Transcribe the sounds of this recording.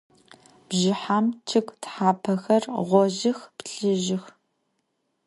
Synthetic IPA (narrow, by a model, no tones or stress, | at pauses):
b̥ʒɪħaːmt͡ʃʰɨkʷʼtħaːpʰɐxɐrʁʷɔʒɪxpɬɨʒɪx